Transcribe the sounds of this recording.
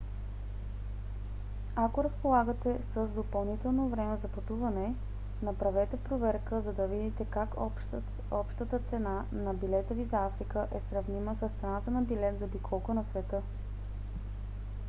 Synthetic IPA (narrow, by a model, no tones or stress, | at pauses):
akoɾɐspolˠaɡət̪ɛsəzd̪opɐlˠnit̪ɛlˠnovɾɛmɛzɐpɐt̪uvɐnɛ | nɐpɾɐvɛt̪ɛpɾovɛɾkəzɐd̪ɐvid̪it̪ɛkak | ɔpʃt̪ət̪ət̪sɛna | nɐbilɛt̪əvizafɾikəʔɛsɾɐvniməsəst̪sɛnat̪ənɐbilɛt̪d̪odikʰɔlˠkʊnɐsvɛt̪ɤ